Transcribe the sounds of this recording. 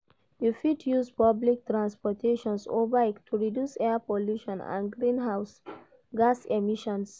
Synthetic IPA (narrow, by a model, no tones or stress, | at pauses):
jufidjuspɔblik̚tɹãnspɔtʰeʃɔ̃nsobaktʰuɹidjusɛapoljuʃɔ̃nã̰nɡɹĩnɦaʊs | ɡasemiʃɔ̃ns